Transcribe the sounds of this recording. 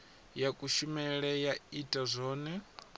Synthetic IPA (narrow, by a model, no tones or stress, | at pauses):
jakʼuʃumɛɺɛjaitʼazʷɔːnɛ